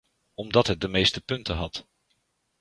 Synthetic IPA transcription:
ɔmdɑtɦət̚dəmejstəpɵntəɦɑt

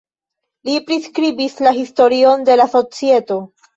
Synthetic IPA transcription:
lipɾiskɾibislaɦisto̞ɾio̞nde̞laso̞t͡sie̞to̞

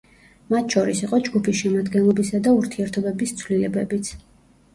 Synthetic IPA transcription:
mat̪ʰʃɔɾisiqʼɔd͡ʒɡupʰisʃɛmad̪ɡɛnlˠɔbisad̪auɾt̪ʰiɛɾt̪ʰɔbɛbist̪sʰwlilɛbɛbit̪sʰ

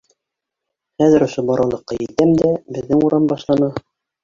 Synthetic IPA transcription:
χæðɘ̆ɾŏʃobɑɾɑlˠɤ̆qːɑjɘ̆t̪æmd̪æbɘ̆ðːɘŋuɾɑmbɑʃlˠɑnɤ

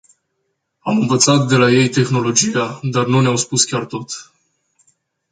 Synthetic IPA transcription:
amɨnvət̪sat̪d̪e̞laje̞jt̪e̞xno̞lo̞d͡ʒijad̪arnuneawspuskʲart̪o̞t̪

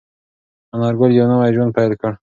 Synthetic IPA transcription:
anaɾɡoljawnawajʒwand̪̚pajlkəɽ

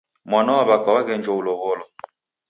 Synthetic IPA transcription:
mwanawaβakawaɣɛnd͡ʒɔulɔɣɔlɔ

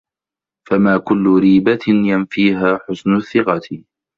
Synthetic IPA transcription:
famaːkʊlːʊɾiːbanjanfiːɦaːħʊsnʊθːɪqɑt̪

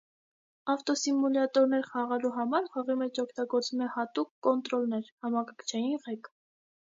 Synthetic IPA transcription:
ɑft̪ɔsimulɑt̪ɔɾnɛɾχɑʁɛluɦɑmɑɾχɑʁimɛt͡ʃʰɔkʰt̪ɑɡɔɾt͡sumɛhɑt̪ukːɔnt̪ɾɔlnɛɾhɑmɑkɑkʰt͡ʃʰɑjinʁɛk

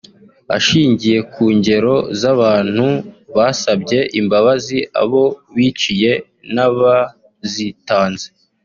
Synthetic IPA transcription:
a̰ʃiːɲɟije̞kuːɲɟe̞ɾo̞zaβaːn̥huβasabɟe̞ʔimbaβazia̰βo̞βiːt͡ʃije̞ | naβa | zitaːnze

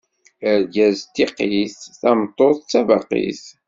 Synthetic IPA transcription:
əɾɡæzt̪ːiqiθθæmt̪ˤːoθˤt͡sːævɑqḭθ

